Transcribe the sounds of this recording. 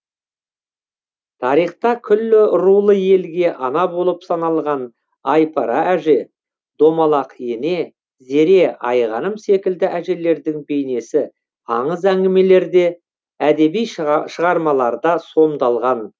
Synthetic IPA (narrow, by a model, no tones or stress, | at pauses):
t̪ʰɑɾijχt̪ɑkʲʰʏlːɪɾulˠəje̞lɡʲe̞ʔɑnɑbo̞lˠəpsɑnɑlˠʁɑn | ɑjpʰɑɾɑæʒe̞ | d̪̥o̞mɑlˠɑqje̞ne̞ | ze̞ɾe̞ʔɑjʁɑnəmse̞kʲɪld̪ɪʔæʒe̞le̞ɾd̪ɪŋbe̞jne̞sɪ | ɑɴəzæŋɡʲɪme̞le̞ɾd̪e̞ | æd̪e̞bijʃəʁɑɾmɑlˠɑɾd̪ɑso̞md̪ɑlˠʁɑn